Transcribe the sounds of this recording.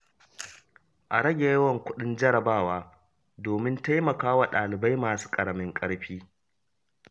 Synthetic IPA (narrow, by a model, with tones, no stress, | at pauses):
ʔa˨ɾɐ˦ɡʲe˨jɐ˦wɐ˦˨ŋkʷʊ˦ɗɪ˦nd͡ʒɐ˦ɾɐ˨baː˦˨waː˦ | doː˨mɪ˦nta˦jmɐ˨kaː˦wa˨ɗaː˨lɪ˨ba˦jmaː˨su̥ː˦kʼɐ˨ɾɐ˨mɪ˦ŋkʼɐ˦ɽɸiː˦